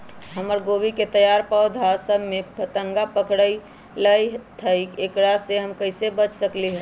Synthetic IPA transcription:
ɦəməɾɡobiket̪əjaɾpəʊd̪ʱasəbʱmepʰət̪əŋɡapəkɽəi | ləjt̪ʰəikekɾaseɦəmkəɪsebət͡ʃʰsəkliɦə

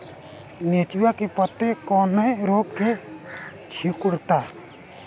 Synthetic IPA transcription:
neːt͡ʃjakepət̪ːekɔːnəiɾoːɡke | t͡ʃʰikʊɽt̪aː

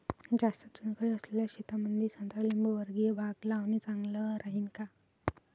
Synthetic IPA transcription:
d͡ʑast̪ət͡sunkəɭiəsleljaɕit̪amənd̪ʱiːsənt̪ɾalimbəʋəɾɡijebʱaɡlaʋnit͡saŋɡləɾaɦiːnka

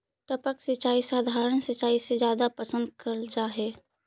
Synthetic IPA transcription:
ʈəpəksɪt͡ʃaːisaːd̪ʱaːɾənsɪt͡ʃaːisezjaːd̪apəsə̃nd̪̚kɐɾd͡ʒaːɦɛː

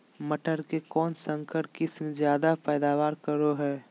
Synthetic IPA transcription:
məʈʰəɾkekɔːnsə̃ŋkəɾʈkɪsmẽzjaːd̪apɛːd̪aːwaːɾkəɾoɦɛː

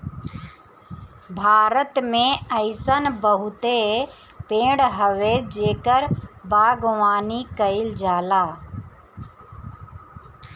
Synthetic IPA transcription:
bʱaːɾət̪mẽəɪsənbəɦʊt̪e | pẽːɽɦəʋed͡ʒeːkəɾbaːɡʋaːnikəɪld͡ʒaːlaː

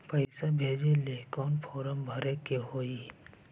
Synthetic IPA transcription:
pəɪsabʱeːd͡ʒeleːkɔːnpʰɔːɾəmbʱəɾekeɦoːi

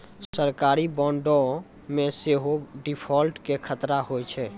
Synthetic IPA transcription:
səɾkaɾibɔ̃ɳɖo | meseɦoɖipʰɔlʈkekʰət̪ɾaɦojt͡ʃʰɛ

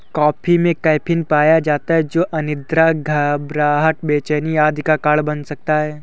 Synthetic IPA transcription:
kɔːpʰimẽkɐjpʰɪnpaːjad͡ʒaːt̪aɦɛd͡ʒoːʔɐnɪd̪ɾaɡʱɐbɾaːɦəʈ̪beːt͡ʃɛːnijaːd̪ʱkakaːɽbɐnsɐk̚t̪aɦɛː

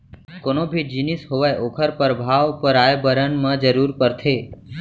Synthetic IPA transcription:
konobʱid͡ʒinisɦoʋajoːkʰəɾpəɾbʱaːʋpəɾaːjbəɾənmə̃d͡ʒəɾuːɾpəɾt̪ʰeː

